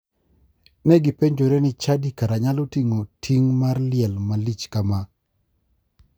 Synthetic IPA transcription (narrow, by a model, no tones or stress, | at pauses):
nɛɡipeɲd͡ʒoɾenɪt͡ʃadikaɾaɲalotiŋotʰiŋmarlɪɛlmalit͡ʃkama